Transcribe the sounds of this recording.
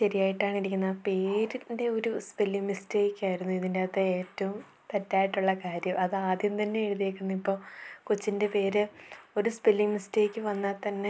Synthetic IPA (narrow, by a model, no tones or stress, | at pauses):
ɕɐɾijaːjiʈːaːɳiɾikʲːunːape̞ːɾinde̞o̞ɾuspelːiŋmisteːkʲːaːjiɾunːuiðindeɐt̪ːeeːtːɐʋum | t̪ɐtːaːjiʈːuɭːɐkaːɾjɐmɐðɨaːd̪jɐmt̪ɐnːe̞ːɻuðieːkʲːunːɐipːo̞ːkut͡ɕːinde̞pe̞ːɾɨo̞ɾuspelːiŋmisteːkʲːɨʋɐnːɐt̪ɐnːe̞